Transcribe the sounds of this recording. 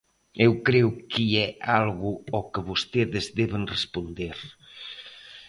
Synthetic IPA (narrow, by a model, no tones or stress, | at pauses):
ewkɾewkiɛalɣuɔkəβost̪eðezðɛβenrespond̪eɾ